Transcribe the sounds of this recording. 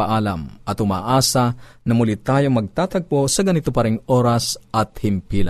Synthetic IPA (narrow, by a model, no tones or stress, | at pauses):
ɐʔaːlɐmʔɐt̪ʊma̰ːʔaːsɐnɐmʊlit̪aːjoŋmɐɡ̚t̪aːt̪ɐɡ̚po̞sɐɡɐnɪt̪opɐɾɪŋoːɾɐsʔɐt̪̚hɪmpiːlɐ̰